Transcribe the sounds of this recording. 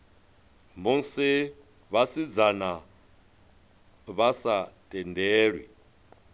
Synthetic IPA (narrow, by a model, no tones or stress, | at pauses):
mun̩si | βasid͡zana | βasatʼɛndʱɛːɺwḭ